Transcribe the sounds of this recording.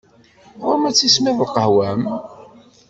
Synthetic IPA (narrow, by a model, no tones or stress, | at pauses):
ʁʊɾmæt͡sːismɪðˤəlqəhwæm